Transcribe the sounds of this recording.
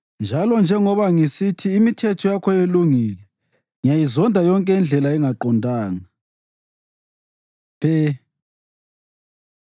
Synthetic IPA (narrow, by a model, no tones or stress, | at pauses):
nd͡ʒʱalɔnd͡ʒʱɛŋɔβaŋisitʰiːmitʰɛtʰɔjakʰɔjeluŋiːlɛ | ŋijajizɔndʱajɔŋkʼɛɛnd͡ɮʱɛlaɛŋaǃɔndʱaːŋa | pʰɛ